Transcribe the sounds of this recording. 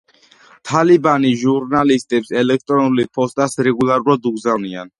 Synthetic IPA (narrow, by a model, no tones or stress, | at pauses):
t̪ʰalibaniʒuɾnalist̪ʼɛpsɛlɛk̚ʰt̪ʼɾɔnulipʰɔst̪ʼasɾɛɡulˠaɾuɾad̪uɡzanian